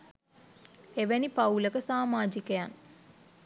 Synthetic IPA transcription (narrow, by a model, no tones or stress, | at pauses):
eʋenipauləkəsaːmaːd͡ʒikəjan